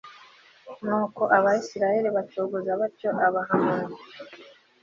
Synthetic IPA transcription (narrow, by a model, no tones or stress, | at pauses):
nuːko̞ʔaβaisiɾajeɾiβat͡ʃoːɡuzaβacoʔaβaɦamani